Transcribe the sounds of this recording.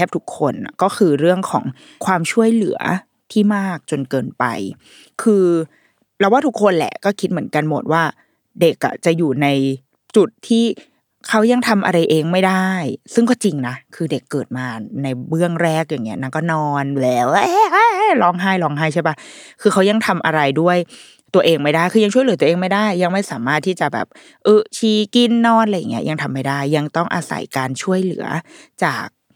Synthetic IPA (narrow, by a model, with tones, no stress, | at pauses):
ɛː˥˩p̚t̪ʰu˦˥kʰːo˧nkɔː˥˩kʰɯː˧ɾɯ˥˩əŋkʰɔ̰ː˩˦ŋ | kʰwaː˧mt͡ɕʰu˥˩əjlɯ̰˩˦ɐ | t̪ʰiː˥˩maː˥˩k̚t͡ɕo˧nkɤː˧npa̰˧j | kʰɯː˧ | pɾɛ˧˥waː˥t̪ʰu˦˥kʰːo˧nlɛ̰˨˩kɔː˥˩kʰi˦˥t̪̚mɯ˩˦ə˦nka˧nmo˨˩t̪̚waː˥˩ | de˨˩k̚ʔa̰˨˩t͡ɕa˨˩juː˨˩na˧j | t͡ɕu˨˩t̪ʰːiː˥˩ | kʰa˦˥wja˧ŋt̪ʰa˧mʔa̰˧ɾa˧jʔeː˧ŋma˥˩jda˥˩jsɯ˥˩ŋkɔː˥˩t͡ɕi˧ŋna˦˥kʰɯː˧de˨˩kːɤː˨˩t̪̚maː˧na˧jbɯ˥˩əŋɾɛː˥˩k̚jaː˨˩ŋːi˦˥ɐna˧˥˩nkɔː˥˩nɔː˧nlɛː˦˥wʔɛː˦˥ʔa˦˥˩lɔː˦˥ŋɦaː˥˩jlɔː˦˥ŋɦaː˥˩jt͡ɕʰa˥˩ba˦˥kʰɯː˧xʰa˦˥wja˧ŋt̪ʰa˧mʔa̰˧ɾa˧jdu˥˩əj | t̪u˧ɐʔeː˧ŋma˥˩jdaː˥˩jkʰɯː˧ja˧t͡ɕʰu˥˩jlɯ˩˦u˧ʔːŋma˥˩jda˥˩jːa˧ŋma˥˩jsaː˨˩˦maː˥˩t̪ʰːiː˥˩t͡ɕa˨˩bɛ̰ː˨˩p̚ | ʔɤː˧˩t͡ɕʰiː˧˩ki˧nːɔː˧nla˧jaː˨˩i˦˥ɐja˧ŋt̪ʰa˧mːa˥˩jda˥˩jːa˧ŋt̪ɔ˥˩ŋʔa̰ː˧sa̰˨˩˦jkaː˧nt͡ɕʰu˥˩əjlɯ̰˩˦ɐt͡ɕaː˨˩k̚